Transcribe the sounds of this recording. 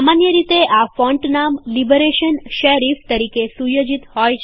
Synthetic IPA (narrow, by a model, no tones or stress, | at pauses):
manjəɾit̪eʔafɔɳʈnamlibəɾeʃənʃəɾift̪əɾikesujod͡ʒit̪hɔjt͡ʃʰ